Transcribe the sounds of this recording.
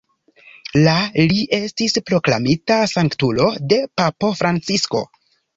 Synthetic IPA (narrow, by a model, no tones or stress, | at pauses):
laliʔe̞stispɾo̞klamitasaŋktulo̞de̞papo̞fɾant͡sisko̞̰